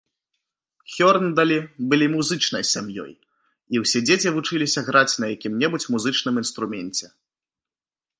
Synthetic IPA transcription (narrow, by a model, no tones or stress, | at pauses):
xʲɔrnd̪ɐlʲibɨlʲimuzɨt͡ʂnɐ̰jsʲamjɔ̰j | iwsʲɛd͡zʲet͡sʲivut͡ʂɨlʲisʲɐɣɾat͡sʲnɐjakʲimnʲɛbut͡sʲmuzɨt͡ʂn̪ɨmin̪st̪ɾumʲɛnʲt͡sʲɛ